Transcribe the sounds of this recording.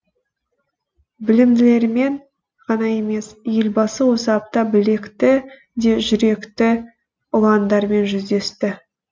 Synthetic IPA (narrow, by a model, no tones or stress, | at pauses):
bɪlɪmd̪ɪle̞ɾme̞ɴ | ʁɑnɑje̞me̞sje̞lʲbɑsəwo̞səɑp̚t̪ɑbɪle̞kt̪ɪ | d̪e̞ʒʏɾe̞kt̪ɪ | ʊlˠɑnd̪ɑɾme̞nʒʏzd̪e̞st̪ɪ